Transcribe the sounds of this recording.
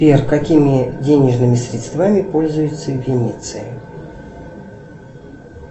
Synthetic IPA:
pʲerkɐkʲimʲɪdʲenʲɪʐnɨmʲɪsɾʲɪt̪st̪vamʲɪpo̞lʲzʊjʊt̪səvʲɪnʲit̪sɨ̰ɪ̰

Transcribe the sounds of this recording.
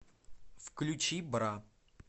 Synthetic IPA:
fklʲʊt͡ɕibɾa

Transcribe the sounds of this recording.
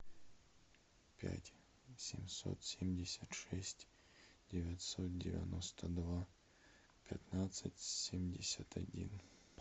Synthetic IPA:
pʲæ̰tʲ | sʲɪmso̰t̪sʲemʲdʲɪsʲət̪ʂɛsʲtʲ | dʲɪvʲatʲsot̪̚dʲɪvʲɪ̰nost̪ʰəd̪va | pʲɪt̪nat̪sɨtʲsʲemʲdʲɪsʲət̪ʰɐdʲin

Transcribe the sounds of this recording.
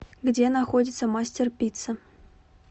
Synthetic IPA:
ɡdʲenaxodʲɪt̪səmasʲtʲerpʲit̪sə

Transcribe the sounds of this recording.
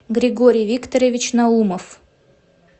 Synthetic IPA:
ɡɾʲɪɡoɾʲɪjvʲikt̪əɾəvʲɪt͡ɕnauməf

